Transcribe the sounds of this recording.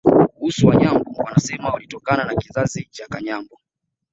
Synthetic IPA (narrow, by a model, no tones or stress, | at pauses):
kuhusuwaɲambɔwanasɛmawalitɔkananakizazit͡ʃakaɲambɔ